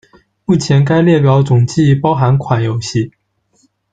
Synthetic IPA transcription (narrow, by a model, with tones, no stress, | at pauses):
mu˥˩t͡ɕʰjɛ˧˥nk̬a˥ɪljɛ˥˩pjɑ˧˥ʊt͡sʊ˨˩ŋt͡ɕi˥˧˥pɑ˥ʊxa˧˥nkʰwa˨˩njo˨˩ʊɕi˥˩